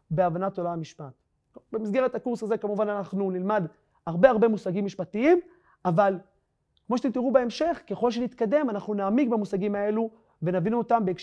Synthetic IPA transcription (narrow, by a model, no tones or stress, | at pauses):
beavanato̞laamiʃpat̪ | bemisɡe̞ʁet̪akuʁsaze̞kamuvananaχnunilmad | haʁbe̞aʁbe̞musaɡimːiʃpatiim | aval | kmoʃet̪emt̪̬iʁubeemʃe̞χke̞χo̞lʃenit̪kade̞manaχnunaːmiɡbemusaɡimae̞lu | ve̞navinuotambeːkʃ